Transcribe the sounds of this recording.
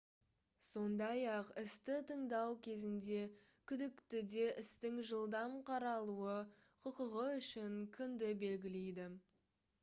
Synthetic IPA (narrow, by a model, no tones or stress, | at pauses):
so̞nd̪ɑjɑqɪst̪ɪt̪ʰəɴd̪ɑwkʲʰe̞zɪnd̪e̞ | kʲʰʏd̪ɪkt̪ɪd̪e̞ʔɪst̪ɪŋʒəlˠd̪ɑmqʰɑɾɑlˠuə | qʰʊqəʁəʏʃɪŋkʲʰʏnd̪ɪbe̞lɡʲɪle̞jd̪ɪ